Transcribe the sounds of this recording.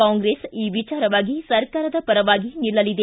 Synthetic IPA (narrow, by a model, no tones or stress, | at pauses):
aːŋɡɾeːsiːʋit͡ʃaːɾɐʋaːɡisɐɾkaːɾɐd̪ɐpɐɾɐʋaːɡinilːɐlid̪e